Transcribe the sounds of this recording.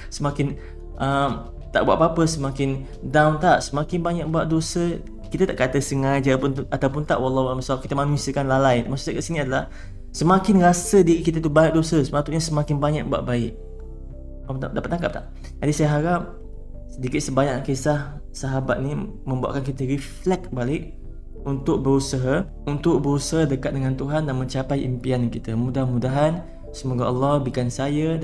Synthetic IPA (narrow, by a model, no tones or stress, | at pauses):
səmakɪn | ʔəm | t̪a̰ʔbua̰ʔpapəsəmãkɪn | dawnt̪aʔsəmakɪnbaɲak̚buaʔ̚dosə | kit̪at̪aʔkat̪əsəŋajd͡ʒaapʊnat̪awpʊnt̪a̰ʔwɑlːɑhwualməsaap̚kit̪əmanusiəkanlalajmasuakaʔsinĩadalah | səmãkɪnrasədiɾikit̪at̪ubajik̚dosəsəmat̪uʔɲasəmakɪnbaɲa̰k̚bua̰ʔ̚baɪʔ̚ | adapat̪ːaŋkap̚t̪la̰ʔ | d͡ʒadisajaɦaɾap̚ | sədikɪt̪̚səbaɲakkesahsaɦabat̪̚ni | mə̃mbua̰ʔkankit̪əɾiflɛk̚balɪk̚ | unt̪ʊk̚bəɾusəɦa | unt̪ʊk̚bəɾusaɦadəkat̪̚dəŋant̪uɦandanmə̃ɲt͡ʃapajʔḭmpiankit̪əmũdamudaɦan | səmoɡaʔɑlːɔhbikansaja